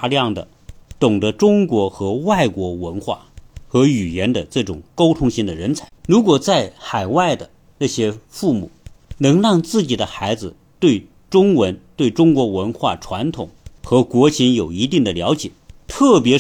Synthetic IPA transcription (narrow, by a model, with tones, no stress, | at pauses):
ljɑ˥˩ŋd̪ə̰˩ | t̪ʊ˨˩ŋdə˦ʈ͡ʂʊ˥ŋkwɔ˧˥xɤ˧˥wa˥˩ɪkwɔ˧˥wə˧˥nxwa̰˥˩xɤ˧˥y˨˩jɛ˧˥nd̪ə˧ʈ͡ʂɤ˥˩ʈ͡ʂʊ˨˩ŋko˥ʊt̪ʰʊ˥ŋɕi˥ŋd̪ə˨ɻə˧˥nt͡sʰa˧˥ɪɻu˧˥k̬wɔ˨˩t͡sa˥˩ɪxa˨˩ɪwa˥˩ɪd̪ə˩ | na˥˩ɕjɛ˥fu˥˩mṵ˨˩˦nɤ˧˥ŋɻɑ˥˧ŋt͡sɹ̩˥˩t͡ɕi˨˩d̪ə˦xa˧˥ɪd͡zɹ̩˧ | t̪we˥˩ɪ | ʈ͡ʂʊ˥ŋwə˧˥nt̪we˥˩ɪʈ͡ʂʊ˥ŋkwɔ˧˥wə˧˥nxwa̰˥˩ʈ͡ʂʰwa˧˥nt̪ʰʊ˨˩ŋxɤ˧˥kwɔ˧˥t͡ɕʰi˧˥njo˨˩ʊi˧˥t̪i˥˩ŋd̪ə˩ljɑ˧˥ʊt͡ɕjɛ̰˨˩˦t̪ʰɤ˥˩pjɛ˧˥